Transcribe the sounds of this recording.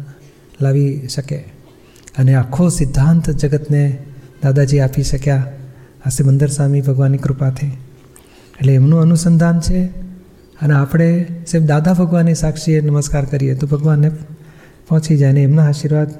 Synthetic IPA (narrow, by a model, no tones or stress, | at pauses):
laʋiʃəke | əneakʰːosɪd̪ʱːant̪d͡ʒəɡət̪ned̪ad̪ad͡ʒiapiʃəkja | asemənd̪əɾsʋamibʱəɡʋanikɾupat̪ʰeː | ʈleːmnũənusənd̪ʱant͡ʃʰe | əneapɽ̃esebd̪ad̪abʱəɡʋanːisakʃienəməskaɾkəɾijet̪obʱəɡʋanːe | pɔ̃ɦt͡ʃʰid͡ʒajneːmnaːʃiɾʋad̪